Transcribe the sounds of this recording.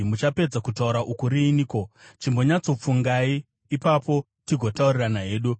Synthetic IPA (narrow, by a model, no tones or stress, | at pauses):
mut͡ʃape̞d͡zakutauɾaʔukuɾiːniːkot͡ʃimbo̞ɲat͡so̞p͡fuŋɡaiː | papo̞ | tiɡʱo̞tauriranaɦe̞ːɗu